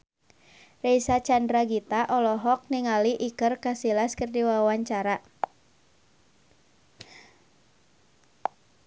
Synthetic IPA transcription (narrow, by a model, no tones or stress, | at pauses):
rejsat͡ʃandɾaɡit̪aʔɔlɔɦɔk̚niŋaliʔikərkasilaskərdiwawaɲt͡ʃaɾa